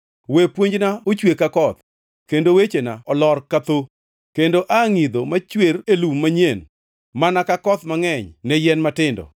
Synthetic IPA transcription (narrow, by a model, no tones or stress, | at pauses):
wepwoɲd͡ʒnaot͡ʃwekakɔt̪ | kendowet͡ʃenaɔlɔrkat̪o | kendoʔaŋid̪omat͡ʃweɾelumːaɲen | manakakɔt̪maŋɛɲnɛjɛnmatɪndɔ̰